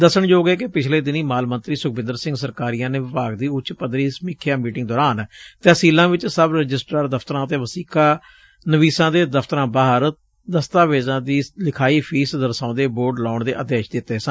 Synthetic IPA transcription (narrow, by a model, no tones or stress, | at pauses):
d̪əsəɳjoːɡeːkɪpɪt͡ʃʰleːd̪ɪniːmaːlmənt̪ɾiːsʊk̚ʰbɪ̃nd̪əɾsɪ̃ŋɡsəɾkaːɾiːãːneːʋɪpaːɡd̪iːʊt͡ʃpəd̪ɾiːsmiːkʰjaːmiːʈɪŋɡd̪ɔːɾaːnt̪ɛːsiːlãːʋɪt͡ʃsəbɾəd͡ʒɪsʈəɾd̪əpʰt̪əɾãːət̪eːʋəsiːkaː | nəʋiːsãːd̪eːd̪əfʰt̪əɾãːbaːɦəɾ | d̪əst̪aːʋeːzãːd̪iːlɪkʰaːiːpʰiːsd̪əɾsãːd̪eːboːɾɖlaːɳd̪eːʔəd̪eːʃd̪ɪt̪ːeːsən